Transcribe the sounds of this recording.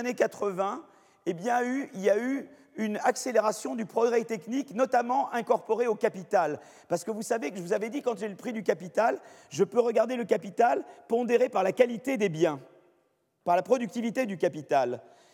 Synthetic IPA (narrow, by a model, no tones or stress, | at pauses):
nekat̪χəvɛ̃ | ebjɛ̃yiljay | ynakseleʁasjɔ̃d̪ypχɔɡʁɛt̪ɛkniknɔt̪amɑ̃ʔɛ̃kɔʁpɔʁeokapit̪al | paʁsə̥kəvusaveʒəvuzavɛd̪ikɑ̃ʒɛləpχid̪ykapit̪alʒəpøʁəɡaʁd̪eləkapit̪alpɔ̃d̪eʁepaʁlakalit̪ed̪ebjɛ̃ | paʁlapχɔd̪yk̚t̪ivit̪ed̪ykapit̪al